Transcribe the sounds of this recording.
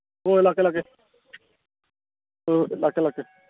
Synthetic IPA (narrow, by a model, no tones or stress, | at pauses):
ɦoelaːkelake | olaːkelake